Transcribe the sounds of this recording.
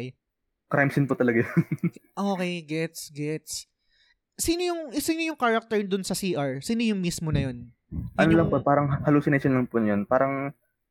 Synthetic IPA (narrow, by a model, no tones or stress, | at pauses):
kɾajmsɪnpʊt̪ɐlɐɡajonʔoːkɛjɡɛt̪sɡɛt̪s | siːnojʊŋʔɪsinojʊŋkaɹɐk̚t̪ɛɹd̪ʊnsɐsiːʔɐɹsiːnojʊŋmismonɐjon | ʔɐnolɐŋpopaːɾɐŋhɐluːsɪneʃonlɐŋpʊnɐjonpaːɾɐŋ